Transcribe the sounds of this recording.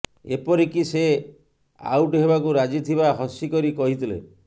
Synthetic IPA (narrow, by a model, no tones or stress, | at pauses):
ḛpɔɾikise | a̰wʈɦebakuɾad͡ʒit̪ʰibaɦɔsikɔɾikɔɦit̪ʰilḛ